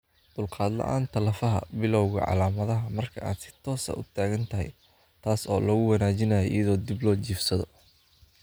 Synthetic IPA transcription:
d̪̥ʊlqɑːd̪lɐ̰ʔa̰ːnt̪ʰɐlɐfɐɦɐ̰bɪlɔwɣɐ̰ʕɑ̰laːmɐðɐɦɐmɐrkʰɐʔa̰ːd̪sɪ̥t̪ʰɔːsɐ̰ʔʊ̰t̪ʰaːɣɐnt̪ʰɐɦɛ̰j | t̪ʰaːsɔ̰ːlɐɣʊwɑnaːt͡ʃɪnɐjɔʔḭjɐðɔːd̪ɪblɔːt͡ʃiːfsɐðɔ

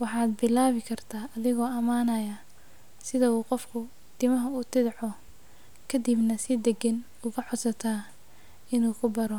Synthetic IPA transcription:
wɑħɑːd̪bɪlaːβɪkʰɐrt̪ʰaːʔɐðɪɣɔːɐmaːnɐjɐ | sɪðɐuːqɔfkʰʊ | t̪ʰɪmɐɦɐuːt̪ʰɪðʕɔ | kʰɐd̪ibnɐsɪd̪ɛɡɐn | ʊɣɐħɔd̪sɐt̪ʰaː | ɪnuːkʰʊbɐɾɔ

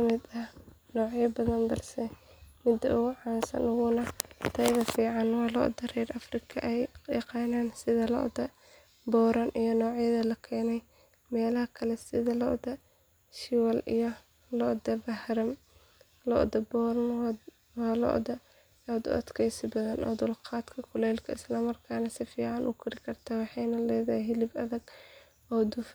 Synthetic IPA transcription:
kʰɐmɪd̪ɐh | nɔːʕjɐbɐðɐnbɐrsɛ | mɪd̪ɐʔʊɣʊʕɑːnsɐ̰nʊɣʊnɐt̪ʰɐjðɐfiːʕɑnwɑːlɔ̰ʔd̪ɐrɛɾɐfrɪkʰɐʔɛjjɑqɑːnaːnsɪðɐlɔ̰ʔd̪ɐ | bɔːɾɐnʔijɔnɔːʕjɐðɐlɐkʰɛːnɛj | mɛːlɐhɐkʰɐlɛsɪðɐlɔ̰ʔd̪ɐ | ʃɪwɐlḭjɔ | lɔd̪ɐbɐhɾɐm | lɔ̰ʔd̪ɐbɔːɾɐn | ɔːlɔ̰ʔd̪ɐ | ɔd̪ʊ̰ʔɐ̰d̪kʰɛjsɪbɐðɐnʔɔ̰ːd̪ʊlqɑːd̪kʰɐkʰʊlɛːlkʰɐɪslɐmɐrkʰaːnɐsɪfiːʕɑnʔʊ̰kʰɪɾɪkʰɐrt̪ʰaːwɑħɑjnɐlɛjðɐhɪjɦɪlɪbɐ̰ðɐɡ | ɔːd̪ʊf

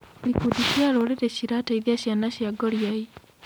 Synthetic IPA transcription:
ɾikudisjaɾoleɾeɕiɾataiðiaɕjanaɕjaɡɔɾjai

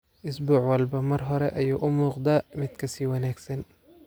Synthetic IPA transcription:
ʔʊsbuːʕwɑlbɐmɐrɦɔɾɛʔɐjuːʔʊmuːqd̪amɪd̪kʰɐsiːwɐnaːɡsɐn

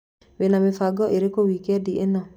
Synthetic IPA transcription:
wenamɪfaɡɔʔeɾekowikɛdiʔenɔ

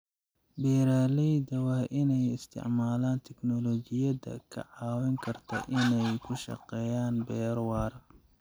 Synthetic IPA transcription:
bɛːɾaːlɛjd̪ɐwɑːʔɪnɛjɪst̪ʰɪ̰ʕmaːlaːnt̪ʰɛknɔlɔːt͡ʃɪjɐdɐ̰kʰɐ̰ʕɑːwɛŋkʰɐrt̪ʰɐ̰ʔɪnɛjkʰʊʃɑ̰qɛːjaːnbɛːɾwɑːr

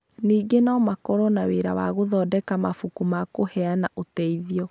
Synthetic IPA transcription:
niːɡenamakɔɾɔnaweɾawa̰ɣoðɔːdɛkamafukumakohɛanaʔotɛiðiɔ

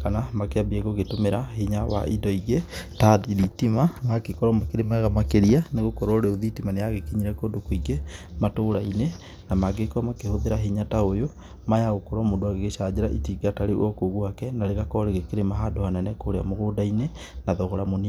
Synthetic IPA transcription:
kanamakeabieɣoɣetomeɾahiɲawa̰ʔidɔiɣetaðiðitimamakekɔɾɔmakeɾemaaɣamakeɾianeɣokɔɾooɾeoðitimanejaɣekiɲiɾɛkoːndokoiɡematoɾaine | namaɡekɔmakehoðeɾaɦiɲataojo | majaɣokoɾɔmodoaɣeɣeʃad͡ʑeɾaʔḭtiɡataɾeɔkoɣwakɛnaɾeɣakɔɾeɣekeɾemaɦadohanɛnɛkoɾea̰moɣoːdaine | naðɔɣɔɾamoni

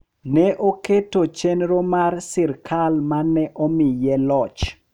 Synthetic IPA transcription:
nɛʔoketot͡ʃenɾomarsɪrkʰalmanːɛʔɔmɪjɛlɔt͡ʃ

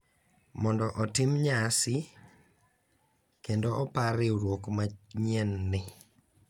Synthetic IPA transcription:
mɔndɔʔɔtɪmɲasɪ | kendoɔpaɾɪoɾwokmaɲiɛnːɪ

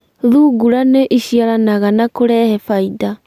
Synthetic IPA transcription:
ðuːɡuɾaneʔiɕiaɾanaɣanakoɾɛhɛfaida

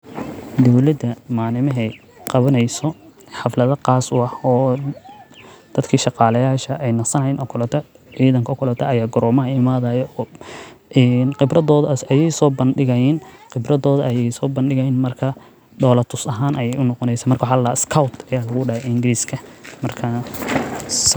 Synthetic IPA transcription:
d̪ɔwlɐd̪ɐmaːlɪmɐɦɛj | qɑβɐnɛjsɔ | ħɑflɐðɐqɑːsʊɐhɔː | d̪̥ɐd̪kʰiːʃɑqɑːlɐjaːʃɐʔɛjnɐsɐnɐjɪnʔɔkʰʊlɐt̪ʰɐ | ʕiːðɐŋkʰɐɔkʰʊlɔt̪ʰɐɐjaːɡɔɾɔːmɐɦɐɪmaːðɐjɔː | nqɪbrɐðɔːðɐjɛjsɔːbɐnɖɪɣɐjɪnqɪbrɐðɔːðɐʔɐjɛjsɔːbɐnɖɪɣɐjɪnmɐrkʰɐ | ɖɔːlɐt̪ʰʊsɐɦaːnʔɐjɛjʊnːɔqɔnɛjsaːmɐrkɐwħɑllaːɪskʰɐwt̪ʰɐjaːlɐɣʊɖɐhɛɪŋɡɪɾiːskʰɐmɐrkʰɐ | s

